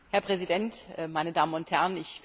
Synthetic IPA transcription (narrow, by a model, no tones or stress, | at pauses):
hɛɐpʁ̥ɛzidɛntːmaɪnədaːmənʊnthɛɐnɪç̥